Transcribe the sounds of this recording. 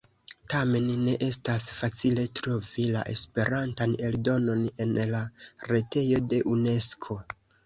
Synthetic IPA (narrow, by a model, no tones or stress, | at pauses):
tame̞nːe̞ʔe̞stasfat͡sile̞tɾo̞vila̰ʔe̞̰spe̞ɾantane̞ldo̞no̞ne̞nlaɾe̞te̞jo̞de̞ʔune̞skʰo̞